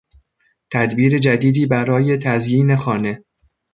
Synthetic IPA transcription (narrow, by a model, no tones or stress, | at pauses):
t̪ʰæd̪biːɾe̞d͡ʒæd̪iːd̪iːbæɾɒːje̞t̪ʰæzjiːne̞xɒːne̞